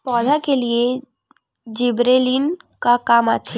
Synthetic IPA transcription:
pɔːd̪ʱakelie | d͡ʒɪbɾeːlin | kakaːmaːt̪ʰe

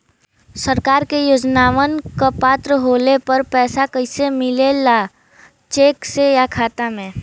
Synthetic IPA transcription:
səɾkaːɾkejoːd͡ʒnaːʋənkapaːt̪ɾəɦoːlepəɾpɛːsakəɪsemɪlela | t͡ʃeːksejakʰaːt̪amẽː

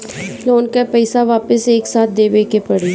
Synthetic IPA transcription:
loːnkapɛɪsaʋaːpəseːksaːt̪̚ʰd̪eːʋeːkepɐɽiː

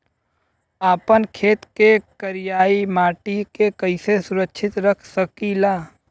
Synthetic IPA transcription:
aːpənkʰeːt̪kekəɾijaːimaːʈikekəɪsesʊɾəkʃʰɪt̪ɾəkʰsəkilaː

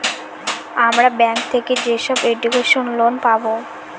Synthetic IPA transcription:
amɾabɛŋk̚t̪ʰeked͡ʑeʃɔbeɖukeʃonlonpabo

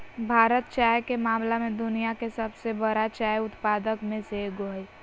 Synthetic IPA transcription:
bʱaːɾət̪̚t͡ʃaːjkemaːmlamẽd̪ʊnijakesəbsebəɾat͡ʃaːjʊt̪paːd̪əkmẽseɡoːj

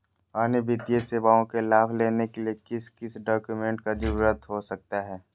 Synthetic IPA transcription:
aːnebɪd̪ijeseːbaːõkelaːbʰleːnekeliekɪskɪsɖɔːkjumẽːɳʈkad͡ʒʊɾuɾət̪ɦosɐk̚t̪aɦɛː

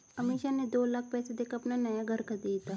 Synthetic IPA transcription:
ɐmeːʃaned̪oːlak̚ʰpɛːsed̪eːkɐpnanɐjaɡʱəɾkad̪it̪aː

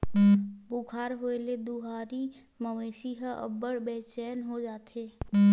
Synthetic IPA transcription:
bʊɡʰʱaːɾɦoːeled̪uɦaːɾi | məʋeːʃiɦəʔə̰bəɽbɛːt͡ʃɛːnɦod͡ʒaːt̪eː

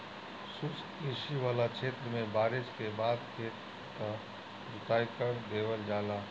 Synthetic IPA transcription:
sʊskeːʃiʋaːlat͡ʃʰeːt̪ɾəmẽbaːɾɪd͡ʒkebaːd̪kʰeː | ka | ɾʊt̪aːjkəɾd̪eːwəld͡ʒaːlaː

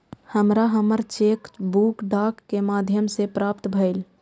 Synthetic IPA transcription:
həmɾaɦəməɾt͡ʃeːkbuːkɖaːkːemaːd̪ʱjəmsepɾaːpt̪bʱəɪl

